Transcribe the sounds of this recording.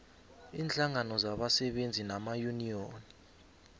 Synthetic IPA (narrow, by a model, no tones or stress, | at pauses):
iːnɬʰaŋanɔzaɓasɛɓend͡zʱinamajunijoːni